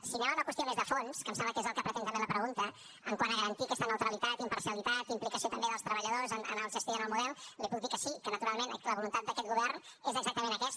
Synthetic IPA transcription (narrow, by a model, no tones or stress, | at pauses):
siɲalaunəkwəst̪ionezðəfonskəmsɛmbləkezəlˠkəpɾət̪ent̪əmbeləpɾəɣunt̪ə | əŋkwanəɣəɾənt̪ikɛst̪ənəwt̪ɾəlit̪at̪impəɾrsjəlit̪at̪implikəsiot̪əmbeðəlˠst̪ɾəβəʎəðozənə̰nəlˠʒəst̪ianəlˠmuðɛlˠlipuk̚d̪ikəsikənət̪uɾalˠmenləβulunt̪at̪̚d̪əkɛt̪̚ɣuβɛrnezəɡzak̚t̪əmẽnəkɛs